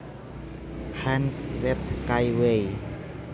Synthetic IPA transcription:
hanszɛp̪̚kajwej

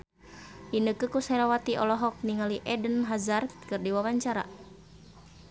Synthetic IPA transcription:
dinəkəkusɛlawat̪iʔɔ̰lɔɦɔk̚niŋaliʔɛdənɦazarkkɨrdiwawaɲt͡ʃaɾa̰

